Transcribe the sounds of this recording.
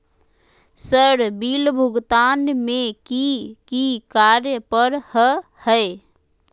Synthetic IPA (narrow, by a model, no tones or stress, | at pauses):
səɾbilbʱuɡt̪aːnmekikikaɾjəpəɾhə | həe